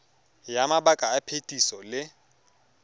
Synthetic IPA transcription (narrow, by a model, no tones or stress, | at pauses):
jamabakʼaːpʰetʼisɔlɪ